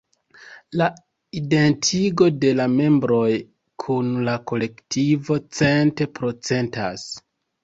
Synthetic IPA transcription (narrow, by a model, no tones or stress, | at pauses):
la | ide̞ntʰiɡo̞de̞lame̞mbɾo̞j | kʰunlako̞le̞ktʰivo̞t͡se̞nte̞pɾo̞t͡se̞nta̰s